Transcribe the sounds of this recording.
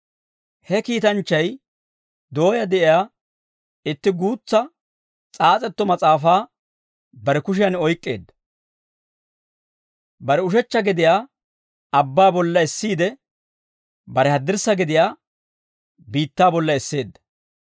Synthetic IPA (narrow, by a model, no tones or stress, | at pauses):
hɛkiːt̪ɐnt͡ʃːɐj | d̪o̞ːjɐd̪ɛʔɪjaː | ɪt̪ːɪɡuːt͡sːɐ | t͡sʼaːt͡sʼɛt̪ːɔmɐt͡sʼaːfaː | bɐɾɛkʊʃ̬ɪjɐnɔjkʼːe̞̰ːd̪ːɐ̥ | bɐɾɛʊʃɛt͡ʃːɐɡɪd̪ɪjaː | ɐbːaːbɔlːɐɛsːiːd̪ɛ | bɐɾɛhɐd̪ːɪɾsːɐɡɪd̪ɪjaː | biːt̪ːaːbɔlːɐɛsːe̞ːd̪ːɐ̥